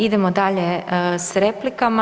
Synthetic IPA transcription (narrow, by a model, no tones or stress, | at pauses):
id̪emod̪aːʎesɾeːplikama